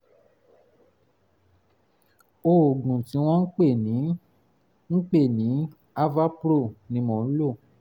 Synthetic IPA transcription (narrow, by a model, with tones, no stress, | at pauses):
o˨ɡ͡bũ˨tĩ˨˧˦w̃ɔ̃˦ŋ̩˦k͡pe˦˨nĩ˨˦ | ŋ̩˦k͡pe˦˨nĩ˨˦ | a˦va˦pɾo˦˨nĩ˨˦mɔ̃˨n̩˦lo˦˨